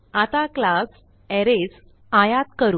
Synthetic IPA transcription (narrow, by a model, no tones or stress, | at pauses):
at̪aklas | ɛɾes | ajat̪kəɾuː